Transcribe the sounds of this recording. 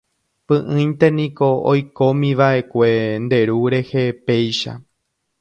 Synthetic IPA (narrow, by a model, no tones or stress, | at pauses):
pɨ̃ʔɨ̃jnt̪e̞nĩkoojko̞mĩʋaʔe̞kʷe̞nd̪e̞ɾuɾe̞hepe̞jʃa̰